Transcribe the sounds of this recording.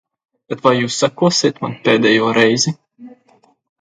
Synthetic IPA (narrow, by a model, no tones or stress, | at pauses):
bɛt̪vajjuːsːakuɔsʲiːt̪manpeːd̪ɛjuːɾɛjzi